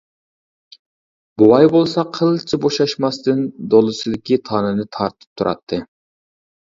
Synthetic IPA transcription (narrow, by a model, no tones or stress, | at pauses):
buwɑjbolˠsɑqʰəlˠt͡ʃʰɪboʃɑʃmɑst̪ɨnd̪olˠɨsɨd̪ɪkʲit̪ʰɑːnɨnɨt̪ʰɑɾt̪ʰɨ̥p̚t̪ʰuɾʔɑ̰t̪ʰːɨ